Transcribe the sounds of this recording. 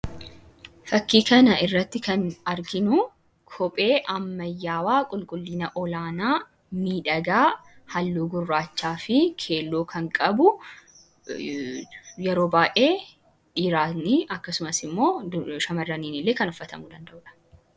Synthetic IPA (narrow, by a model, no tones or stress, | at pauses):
fɐkːiːkɐnɐʔɪrːɐt̪ːɪkɐnɐɾɡɪnʊ | kʰɔpʼe̞ːʔɐmːɐjːaːwaːkʼʊlkʼʊlːiːnɐʔɔlaːnaː | miːᶑɐɡaːhɐlːuːɡʊrːaːt͡ʃːaːfɪkʰe̞ːlːoːkʰɐŋkʼɐbʊ | jɛɾo̞ːbaːʔeː | ᶑiːɾaːniːɐkːɐsʊmɐsɪmːo̞ːʃɐmɐrːɐniːnɪlːe̞ːkɐnɔfːɐt̪ɐ̰mʊd̪ɐnd̪ɐʔʊᶑɐ̥